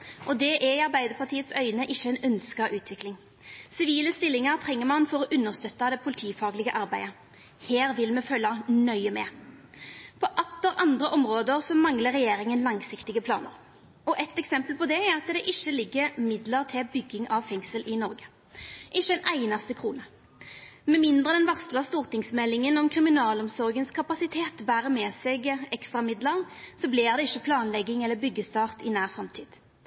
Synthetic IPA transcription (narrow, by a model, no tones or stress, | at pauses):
ʔɔd̪ɛʔɛɪɑʁbæɪd̪əpʰɑt̪ʰiːət̪sœʏnəʔɪçːəɛnœnskɑʔʉːt̪ʰʋɪklɪŋ | sɪʋiːləst̪ɪlːɪŋɑʁt̪ʰʁɛŋːəɾmɑnfɔɾɔʔʉnːəʁst̪œt̪ːɑd̪ɛpʰʊlɪt̪ʰiːfɑːɡlɪɡəʔɑʁbæɪə | heːʁʋɪlmɛfœlːɑnœʏəmɛ | pʰɔʔɑt̪ːəɾʔɑnd̪ʁəʔɔmʁoːd̪əʁsɔmɑŋləɾɛjeːɾɪŋənlɑŋsɪkt̪ɪɡəpʰlɑ̰ːnəɾ | ɔʔɛt̪ɛksɛmpəlpʰɔd̪ɛæʁɑt̪d̪ɛʔɪʃːəlɪɡːəɾmɪd̪ləʁt̪ʰɪlbʏɡːɪŋɑʋfɛŋsəlʔɪnɔɾɡə̥ | ʔɪʃːəɛnʔæɪnɑst̪əkʰʁuːnə | mɛmɪnd̪ʁəd̪ɛnʋɑʁslɑst̪uːʁt̪ɪŋsmɛlːɪŋənɔmkʰʁɪmɪnɑːlɔmsɔʁɡənskʰɑpɑsɪt̪ʰeːt̪bæːɾəmɛːsɛɡɛkst̪ɾʁɑmɪd̪ləʁsɔblɪʁd̪ɛɪçːəpʰlɑːnlɛɡːɪŋɛlːəbʏɡːəst̪ɑːʁt̪ɪnæːʁfɾɑmt̪ʰiːd̪̥